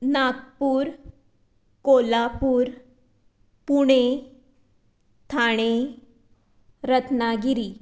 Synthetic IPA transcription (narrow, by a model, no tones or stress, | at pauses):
nakpuːɾ | kolapuːɾ | puɽ̃e | t̪ʰaɽ̃e | ɾət̪naɡiɾi